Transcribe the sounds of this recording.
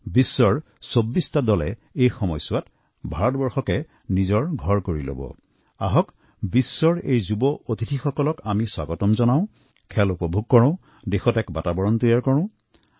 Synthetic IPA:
bisːɔɹ | sobːistadɔlɛ̰ejxɔmɔjsʊwat | bʱaɹɔtbɔɹxɔkɛ | nizɔɹɡʱɔɹkoɹilo̰bɔ̰ | aɦɔk | bisːɔɹejzubɔʔotitʰixɔkɔlɔkamiswa̰ɡɔtɔmzɔnaʊ̃ | kʰɛlupɔbʱuɡ̚kɔɹɔ̃ʊ̃ | dexɔtɛkbatabɔɹɔntɔjaɹkɔɹɔ̃ʊ̃

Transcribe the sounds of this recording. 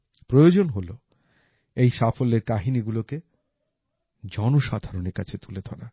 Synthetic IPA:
pɾojod͡ʑonɦolo | ejʃafolːeɾkaɦiniɡuloke | d͡ʑɔnoʃad̪ʱaɾoneɾkat͡ɕʰet̪uled̪ʰʱɔɾa

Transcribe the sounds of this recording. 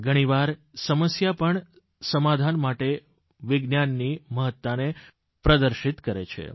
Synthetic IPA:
ɡʱəɽ̃iʋaɾsəməsjapəɳ | səmad̪ʱanmaʈe | ʋɪɡnjanːiməɦət̪ːane | pɾəd̪əɾʃit̪kəɾḛt͡ʃʰḛ

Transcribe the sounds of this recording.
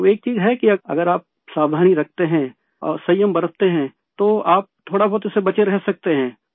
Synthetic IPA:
eːk̚t͡ʃiːzɦɛkiɐɐ̰ɡəɾaːp̚ | saːwd̪ʱaːniɾɐk̚ʰt̪eɦɛ̃ | ɔ̰ːɾsɐjəmbɐɾət̪eɦɛ̃ː | t̪oaːp̚t̪ʰoːɽabɔːt̪esebɐt͡ʃeɾɛɦsɐk̚t̪eɦɛ̃ː

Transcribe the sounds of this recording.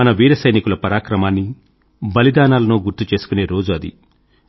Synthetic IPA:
ɐnɐʋiːɾɐsɐjnikulɐpɐɾaːkɾɐmaːnːi | bɐlid̪aːnaːlɐnuːɡuɾt̪ut͡ʃe̞ːsu̥kune̞ːɾo̞ːd͡ʒuɐd̪ḭ

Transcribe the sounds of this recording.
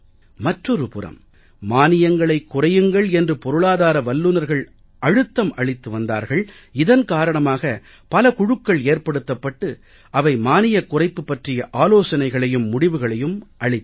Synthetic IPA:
mɐʈrɔɾɯpʊrɐ̰m | maːnɪjɐŋɡɐɭɐɪkːʊrɐjɯŋɡɐɭɛndrɯpɔɾɯɭaːðaːɾɐʋɐlːɯnɐɾɣɐɭ | ʔɐɻɯt̪ːɐmʔɐɭɪt̪ːɯʋɐnd̪a̰ːɾɣɐɭ | ɪðɐnkaːɾɐɳɐmaːɣɐ | pɐlɐkʊɻɯkːɐɭeːɾpɐɽɯt̪ːɐpːɐʈːɯ | ʔɐʋɐɪmaːnɪjɐkːʊrɐɪpːɯpːɐʈrɪjɐʔaːloːsɐnɐɪɣɐɭɐjɯmːʊɽɪʋɯɣɐɭɐjɯmʔɐɭɪt̪ː

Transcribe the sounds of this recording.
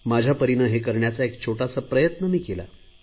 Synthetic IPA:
mad͡ʑʱjapəɾinəɦek̬əɾɳjat͡saekt͡ɕʰoʈasapɾəjət̪nəmiːkela̰

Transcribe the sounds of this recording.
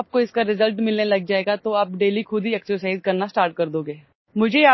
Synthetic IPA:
p̚koɪskaɾɪzəlʈmɪlnelɐɡ̚d͡ʒaːeːɡat̪oɐpɖeːlikʰʊd̪ʱiɛksəɾsaːɪzkɐɾnasʈaːɾʈ̚kɐɾd̪oːɡeː | mʊd͡ʒʱejaː

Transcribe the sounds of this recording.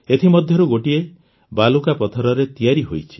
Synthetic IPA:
et̪ʰimɔd̪ʱjɔɾuɡoʈie | balukapɔt̪ʰɔɾɔɾet̪ijaɾiɦojt͡ʃʰi̥

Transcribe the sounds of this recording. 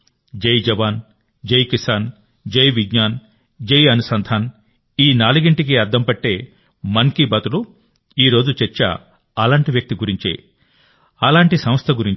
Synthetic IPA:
d͡ʒɐjd͡ʒɐʋaːn | d͡ʒɐjkisaːn | d͡ʒɐjʋiɡɲaːn | d͡ʒɐjɐnusɐnd̪ʱʰaːn | iːnaːluɡiɳʈik̬iɐɾd̪ʱɐmpɐʈːe̞ː | mɐnkibɐt̪ulu | iːɾo̞ːd͡ʒut͡ʃeɾt͡ʃːɐ̰ | ɐlaːɳʈiʋjɐk̚t̪iɡuɾiɲt͡ʃḛ | ɐlaːɳʈisɐmɐst̪ʰɐɡuɾiɲ

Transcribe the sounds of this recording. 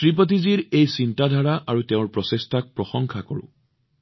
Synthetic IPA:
tɹip̬ɔt̬iziɹejsintadʱaɹaʔaɹuteʊ̃ɹpɹɔsestak̚pɹɔxɔŋkʰakɔɹʊ̰̃

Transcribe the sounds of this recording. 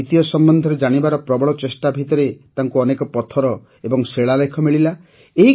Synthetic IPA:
it̪ijɔsɔmbɔnd̪ʱɔɾed͡ʒaɽ̃ibaɾɔpɾɔbɔɭɔt͡ʃesʈabʱit̪ɔɾet̪aŋkuɔnekɔpɔt̪ʰɔɾɔ | ebɔŋseɭalekʰɔmiɭila | eɦi

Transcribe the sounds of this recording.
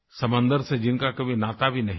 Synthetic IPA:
sɐmə̃nd̪əɾsed͡ʒɪnkakɐbʱinaːt̪abʱinɐɦ

